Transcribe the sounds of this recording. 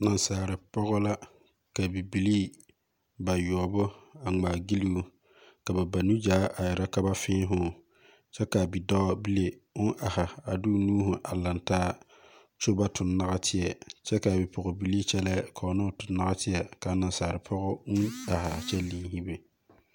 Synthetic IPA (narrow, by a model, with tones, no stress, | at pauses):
na˨nsaː˨ɾɪ˨pɔ˦ɣʊ˦la˦ | ka˨bi˨bi˨liː˦ | ba˨jɔː˨bʊ˦a˨ŋ͡maː˨ɡi˦li˦u˦ | ka˨ba˨ba˨nu˦d͡ʒaː˨˦ʔa˨jɪ˨ɾa˦ka˦ba˦fɪ̃ː˦ɦʊ˨ | t͡ʃɛ˦ka˨bi˨dɔ˦bi˦le˨ʊ˦nʔa˨hɪ˨a˨dʊ˦nuː˦ɦʊ˨ʔa˨la˨ntaː˦ | t͡ʃo˦ba˦tʰʊ˨nːa˦ɣa˦tʰɪ˦jɛ˨t͡ʃɛ˦ka˨bɪ˨pɔ˨ɣʊ˨bi˨liː˦t͡ʃɛ˦lɛː˦kʰɔ˨˦nʊ˦˨tʊ˨nːa˦ɣa˦tʰɪ˦jɛ˨ka˨˦na˨saː˨ɾɪ˨pʰɔ˦ɣʊ˦ʊ˦na˨hɪ˨a˨t͡ʃɛ˦lĩ˨˦ŋɦi˦be˨